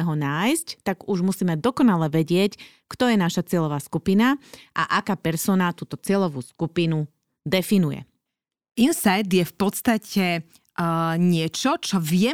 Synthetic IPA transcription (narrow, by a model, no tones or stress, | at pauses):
ɛɦɔnaːjsct̪aɡuʒmusiːmɛd̪ɔkɔnalɛʋɛɟɪɛc | kt̪ɔjɛnaʃat͡sɪɛʎɔʋaːskupinaʔa̰ʔakaːpɛɾsɔːnat̪uːt̪ɔt͡sɪɛʎɔʋuːskupinu | d̪ɛfinujɛ̰ | insajd̪jɛfpɔt̪st̪acɛ | ɲɪɛt͡ʃɔt͡ʃɔʋɪɛ